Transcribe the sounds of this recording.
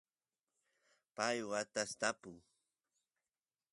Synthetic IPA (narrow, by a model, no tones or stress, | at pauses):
pajwat̪ast̪apʊŋ